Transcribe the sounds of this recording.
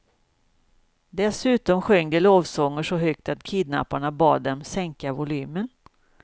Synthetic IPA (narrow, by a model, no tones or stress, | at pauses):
d̪ɛsʉ̟ːt̪ɔmɧœŋːd̪əloːvsɔŋːəʂɔɦʏkt̪at̪kʰiːd̪na̰pːaɳabɑːd̪ːɛmsɛŋkavʊlyːmən